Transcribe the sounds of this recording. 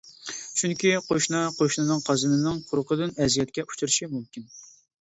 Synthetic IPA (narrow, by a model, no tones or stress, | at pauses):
t͡ʃʰyŋkʲiqʰoʃnɨqʰoʃnɨnɨŋqʰɑzɨnɨnɨŋqʰʊɾqəd̪ɨnɛzijɛt̪kʲɛʔu̥t͡ʃʰuɾɨʃimumkʲin